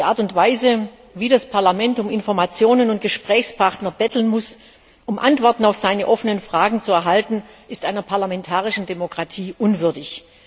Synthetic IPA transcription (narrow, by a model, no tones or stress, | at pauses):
d̥iʔa̰ːɐtʊntv̥aɪzə | viːdaspʰaɐlamɛntʊmɪnfɔɐmat͡sjoːnənʊnt̚ɡ̥əʃpʁ̥ɛːçspʰaʁtnɐbɛtl̩nmʊs | ʔʊmʔantv̥ɔɐtn̩aʊfz̥aɪnəʔɔfənənfʁ̥aːɡŋ̩t͡suɛɐɦaltn̩ | ʔɪstʔaɪnɐpʰaɐlamɛntʰaːʁɪʃn̩demokʁ̥atʰiːʔʊnvʏɐdɪç